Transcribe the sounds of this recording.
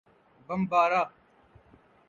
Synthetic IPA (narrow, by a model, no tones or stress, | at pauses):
bɐmbaːɾaː